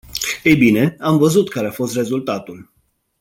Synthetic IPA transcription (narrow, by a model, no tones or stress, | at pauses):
e̞jbine̞amvəzut̪kaɾeafo̞st̪re̞zult̪at̪ul